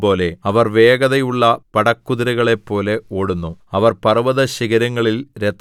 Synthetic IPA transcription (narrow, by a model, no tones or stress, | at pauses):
bo̞ːle̞ɐʋɐrʋeːɡɐðɐjuɭːɐpɐɽɐkːuðɐɾɐɣɐɭe̞pːo̞ːle̞oːɽunːuɐʋɐrpɐrʋɐðɐɕiɣɐɾɐŋːɐɭilɾet̪ː